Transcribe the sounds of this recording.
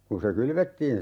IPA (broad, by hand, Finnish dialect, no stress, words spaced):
kun se kylʋetːiːn